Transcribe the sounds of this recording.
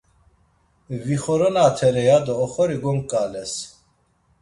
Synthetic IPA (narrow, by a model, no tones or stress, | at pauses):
viχɔɾɔnaːt̪ʰɛɾɛjad̪ɔːχɔɾiɡɔmkʼalɛs